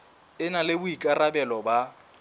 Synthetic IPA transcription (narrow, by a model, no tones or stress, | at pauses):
ɪnalɪbʊikʼarabɛlɔba